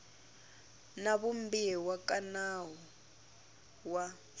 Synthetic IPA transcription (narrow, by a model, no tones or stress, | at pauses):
naβumbiiwakʼanaɦɔ | wa